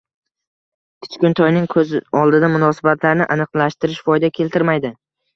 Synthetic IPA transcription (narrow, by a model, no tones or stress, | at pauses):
kʲʰɪ̥t͡ʃkʲʊnt̪ʰɒjnɪŋkʰɵzɪɒlˠd̪ɪd̪amʊnɒsɪbat̪ʰlaɾnɪʔanɨqlaʃt̪ɪɾɪʃfɒjd̪akʲʰe̞lt̪ɪɾmajd̪ɪ